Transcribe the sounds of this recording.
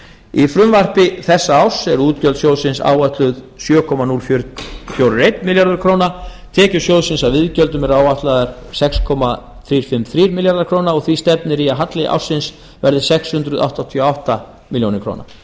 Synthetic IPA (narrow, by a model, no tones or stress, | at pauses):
ifɾʏmvar̥pɪθɛsːaawsɛɾuːt̪cœlt̪sjow̪sɪnsa̰ːwat̪lʏð | sjœːkʰɔmanuːlfjʏɾfjowɾʏɾejt̪nmɪljaɾðʏɾ̥kʰɾoːwna | t̪ʰɛːcʏɾ̥sjoːwðsɪnsavɪðcœlt̪ʏmɛɾaːwaht̪laðaɾ̥ | sɛkskʰɔma | θɾiːɾ̥fɪmθɾiːɾmɪljaɾðaɾkʰɾoːwnaɔɣθvist̪ɛp̚nɪɾiaɦat̪lɪʔa̰wsːɪns | vɛɾðɪ̥sɛkshʏnt̪ɾʏða̰ht̪at̪ʰioawht̪a | mɪljownɪɾkʰɾo̰ːwna̰